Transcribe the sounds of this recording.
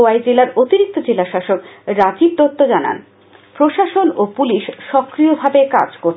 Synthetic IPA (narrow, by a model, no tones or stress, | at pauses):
oajd͡ʑelaɾot̪iɾik̚t̪od͡ʑelaʃaʃokɾad͡ʑib̚t̪ot̪ːod͡ʑana̰n | pɾoʃaʃonopuliʃʃɔkɾiobʱabeka̰d͡ʑkoɾ